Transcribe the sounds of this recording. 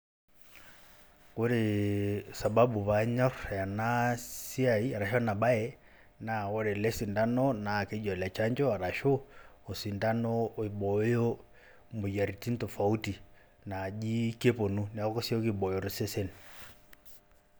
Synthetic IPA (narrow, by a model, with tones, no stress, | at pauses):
ku˦ɾi˨sa˨ɓa˦ɓu˨βa˨ɲɔ˦ɾja˨na˦si˦a˨i˦a˨ɾa˨ʃɔ˦na˨ɓa˦ɛ˦ | na˨ɔ˦ɾɛ˨lɛ˦si˨nda˦nɔ˦na˨ke˦d͡ʒɔ˨lɛ˨t͡ʃa˦ɲd͡ʒɔ˦a˨ɾa˨ʃɔ˦o˨si˨nda˦nɔ˦˨i˨ɓɔ˨˦jɔ˦ | mbo˨ja˨ɾi˨ti˦n˦tɔ˨fa˨u˦ti˨ | na˨d͡ʒi˦ke˦po˨nu˦ni˨a˨kɔ˦kɔ˦si˦ɔ˦ki˦ɓɔ˨jɔ˨ɾi˦sɛ˦sɛ˦ni